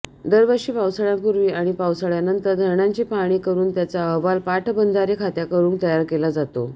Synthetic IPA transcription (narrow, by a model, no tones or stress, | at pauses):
d̪əɾʋəɾʂiːpawsəɭjampuɾʋiːaɽ̃ipawsəɭjanənt̪əɾd̪ʱəɾɳaɲt͡ɕiːpaɽ̃iːkəɾuːnt̪jat͡saəɦʋalpaʈʰbənd̪ʱaɾekʰat̪jakəɾuːŋk̚t̪əjaɾkelad͡zat̪o